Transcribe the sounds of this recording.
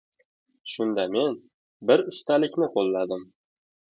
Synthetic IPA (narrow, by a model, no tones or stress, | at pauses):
ʃʊnd̪ame̞n | bɪɾʊst̪alɪkʲnɪqʰolˠːad̪ɪm